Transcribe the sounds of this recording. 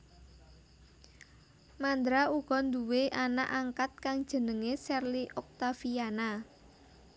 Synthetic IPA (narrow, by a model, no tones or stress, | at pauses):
mand̪ɾauɡ̥ɔ̤nd̪uweʔana̰ʔaŋkat̪̚kaŋd̥ʒ̥ə̤nəŋesɛrliʔɔk̚t̪afiana